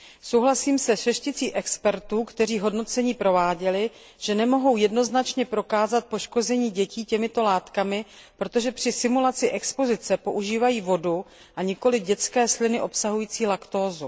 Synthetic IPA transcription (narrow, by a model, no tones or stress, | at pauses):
sowɦlasiːmsɛʃɛʃcɪt͡siːʔɛkspɛɾt̪uːkt̪ɛr̝iːɦo̞dno̞t͡sɛɲiːpɾo̞vaːɟɛlɪ | ʒ̥ɛnɛmo̞ɦo̞wjɛdno̞znat͡ʃɲɛpɾo̞kaːzat̪̚po̞ʃko̞zɛɲiːɟɛciːcɛmɪt̪o̞laːt̪kamɪ | pɾo̞t̪o̞ʒɛpr̝̥ɪsɪmulat͡sɪʔɛkspo̞zɪt͡sɛpo̞ʔuʒiːvajiːvo̞du | ʔaɲɪko̞lɪɟɛt͡skɛːslɪnɪʔo̞psaɦujiːt͡siːlakt̪o̞ːzu